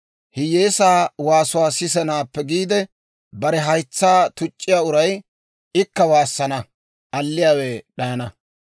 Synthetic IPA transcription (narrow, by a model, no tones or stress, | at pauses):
hɪje̞ːsaːwaːsʊwaːsɪs̬ɛnaːpːɛɡiːd̪ɛ | bɐɾɛɦɐjt͡sːaːt̪ʊt͡ʃʼːɪjaːʊɾɐj | ɪkːɐwaːsːɐnɐ | ʔɐlːɪjaːwɛɗɐjɐnɐ